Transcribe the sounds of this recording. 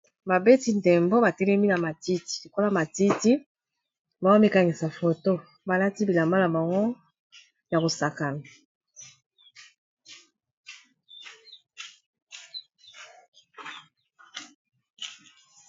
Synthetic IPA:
ba˨be˦ti˨ndɛ˨mbo˦ba˨tɛ˦lɛ˦mi˦na˨ma˨ti˦ti̥˨lo˨ko˦la˦ma˨ti˦ti˦ | ba˨˦o˦mi˦ka˨ŋi˨sa˨fo˨to˦˨ | ba˨la˦ti˦bi˨la˨mba˦la˨bɔ˨ŋɡo˦ | ja˨ko˨sa˨ka˨la˨

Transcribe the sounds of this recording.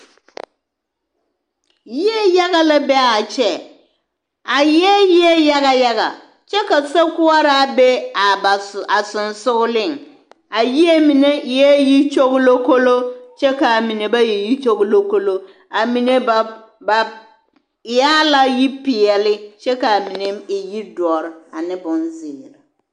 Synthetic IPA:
ji˦e˦ja˦ɣa˦la˦bɛ˦a˨t͡ʃɛ˦ | a˨jɛ˦ji˦e˦ja˦ɣa˦ja˦ɣa̰˨ | t͡ʃɛ˦ka˨sa˦kʊ˦a˦ɾa˦be˦a˨a˨sʊ˨nsʊ˦ɣʊ˦lɪ˦˨ŋ | a˨ji˦e˦mi˨ne˦˨jɛ˦ji˦t͡ʃo˦ɣʊ˦lo˦ko˦lo˦t͡ʃɛ˦ka˨mi˨ne˨ba˦je˨ji˦t͡ʃo˦ɣʊ˦lo˦ko˦lo˦ | a˨mi˨ne˦˨ | ba˨ | ɪ˨jaː˦la˦ji˦pɪ˨ɛ˨lɪ˦t͡ʃɛ˦ka˨a˨mi˨ne˨˦mɪ˨ji˦dɔ˨ɾɪ˨a˨nɪ˦bʊ˨nzɪ˨ɾa˨

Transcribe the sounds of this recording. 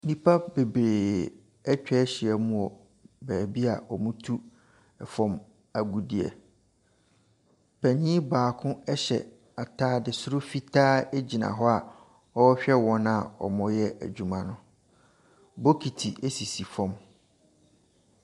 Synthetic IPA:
nĩ˦pʰa˦be˨bɾeː˨ | ɛ˦t͡ɕᶣɛ˦ɕɪ˨ɛ˨mũ˦˨ɔ˨ | bæː˨bi˦a˨ɔ˨mʊ̃˦tʰu˦ | ɛ˨fɔ̃˨m | a˨ɡu˨di˨ɛ̰˨ | pʰɛ˨ɲĩ˦baː˨kʰʊ̃˦ɛ˦ɕɛ̰˨ | a˨tʰaː˦dɪ˨sʊ˦ɾʊ˦fi˦tʰaː˦e˦d͡ʑi˨nã̰˨ɦɔ˦a˨ | ɔ˦ɔ˦ɕᶣɛ˦wɔ̃˦na˨ɔ̰˨mʊ̃˦jɛ˦ʔæ̰˨d͡ʑᶣu˨mã˨nʊ̃˨ | bo˦kʰi˨tʰi˨ʔe˦si˨si˨fɔ̃˨m

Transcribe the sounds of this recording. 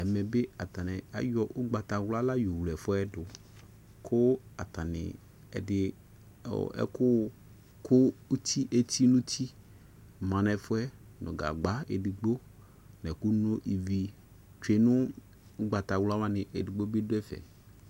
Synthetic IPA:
ɛ˨mɛ̃˨be˦a˨t̪ã˨nɛ̃˨a̰˨jɔ˦ʔʊ˦ɡ͡ba˨t̪a˨wla˦la˦ju˨wlɛ˨fʊ˦ɛ˦dʊ˨ | kʰʊ˦a˨t̪a˨nɪ̰̃˨ | ɛ̰˨dɪ̰˨ | ɛ̰˦kʊ˦˨ | kʰʊ˦u˦t̪ʰi˦ʔe˦t̪ʰi˦nũ˦t̪ʰi˦ | mã˨nɛ̃˨fʊ˦ɛ˦ | nõ̰˨ɡa̰˨ɡ͡ba˦ḛ˨dɪ˨ɡ͡bo˦ | nɛ˨ku˦nõ˦ʔi˨vi˨ | t͡ʃe˨nʊ̃˦ | ʊ˦ɡ͡ba˨t̪a˨wla˦wa˦nɪ̃˨ʔe˨dɪ˨ɡ͡bo˦be˦dʊ˦ɛ˦fɛ̰˨

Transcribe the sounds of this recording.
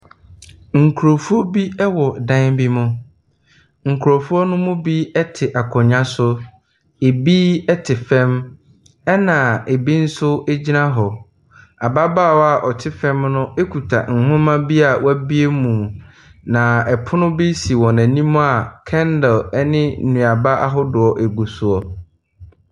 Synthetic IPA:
ŋ̩˨kʰu˨ɾo˨fu˦ɔ˦bi˦ɛ˦wɔ˨dã˦nbi˦mʊ̃˦ | ŋ̩˨kʰu˨ɾo˨fu˦ɔ˦nʊ̃˦mʊ̃˦bi˦ɛ˦tʰɪ˨ʔa˨kʰɔ̃˨ɲã˦sʊ˦ | e˨biː˦ɛ˦tʰɪ˨fɛ̃˦m | ɛ˦nã˨e˨bi˦n̩˦sʊ˦e˦d͡ʑi˦nã˦ɦɔ˨ | a˨ba˦baː˦˨wɔ˦a˦˨ʔɔ˨tʰɪ˦fɛ̃˦mnʊ̃˦e˦kʰu˨tʰa̰˨ŋ̩˨hʊ̃˦mã˦bi˦a˨wæ˦bi˦e˦mũ˨m˨ | nã˨ɛ˨pʰʊ˦nʊ̃˦bi˦si˨wɔ̃˨næ̃˨nĩ˦mũ˦a˨kʰɛ̃˦ndɛ˨lɛ˦nɪ̃˦˨nũ˨a˨ba˦ʔa̰˦ɦɔ˦dʊ˨ɔ˨ʔe˨ɡu˨su˨ɔ˨

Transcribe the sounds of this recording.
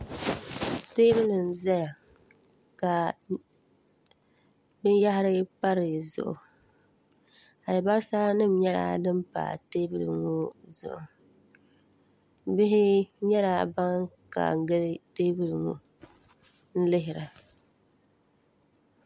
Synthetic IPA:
teː˦bɨ˦lɨ˨n̩˨za˦ja˨ | ka˨ | bɨ˦n˦ja˦ɦɪ˦ɾɨ˦pa˦ɾɨ˨zʊ̰˨ʔʊ̰˨ | a˨lɨ˨ba˦ɾsa˦nɨ˦m˦ɲɛ˦la̰˦ndɨ˦m˦pa̰ː˨teː˦bɨ˦lɨ̰˨ŋu˦zʊ̰˨ʔʊ˨ | bɪ˦ɦɪ˦ɲɛ˦la˦ba˦ŋka̰˨˦ɡɨ˦lteː˦bɨ˦lɨ˨ŋu˨ | n̩˦lɪ˦ɦɪ˨ɾa˨

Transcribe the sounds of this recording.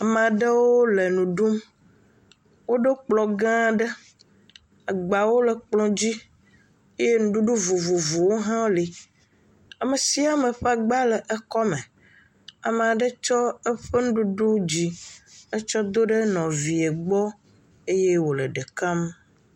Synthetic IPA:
a˨me˨a˨ɖə˦wo˦le˨nũ˨ɖu˦m | wo˦ɖe˦k͡plɔ˨ɡã˦ɖə˦ | a˨ɡ͡ba˨wo˦lə˨k͡plɔ̃˨d͡ʑi˦ | e˦je˦nũ˦ɖu˦ɖu˦vu˨vu˨vu˨wo˦ɦã˦li˨ | a˨me˨si˦a˦me˨ɸa˨ɡ͡ba˦lɛ˨ʔe˦kɔ˦me˨ | a˨m˨a˨ɖə˦t͡ʃɔ˦ɛ˦ɸɛ˦nũ˦ɖu˦ɖu˦d͡ʑi˦ə˦t͡ʃɔ˦d̪o˦ɖe˦nɔ̃˨vi˨e˨ɡ͡bɔ˦ | e˦je˦wo˨lə˨ɖe˨ka˦m

